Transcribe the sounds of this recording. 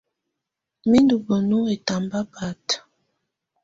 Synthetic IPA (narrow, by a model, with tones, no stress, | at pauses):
mi˦ndu˨bə˨nu˦e˨ta˨mba˦pa˨t